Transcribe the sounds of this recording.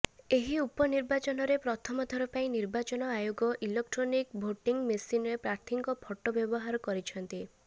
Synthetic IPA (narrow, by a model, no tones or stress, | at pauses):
eɦiupɔniɾbat͡ʃɔnɔɾepɾɔt̪ʰɔmɔd̪ʱɔɾɔpaĩniɾbat͡ʃɔnɔajoɡɔʔilek̚ʈɾonikbʱoʈiŋmesinɾepɾaɾt̪ʰiŋkɔpʰɔʈːɔbjɔbɔɦaɾɔkɔɾit͡ʃʰɔnt̪i